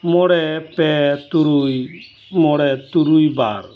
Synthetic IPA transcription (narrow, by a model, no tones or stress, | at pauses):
mɔɽɛpɛt̪uɾuj | mɔɾɛt̪uɾujbaɾ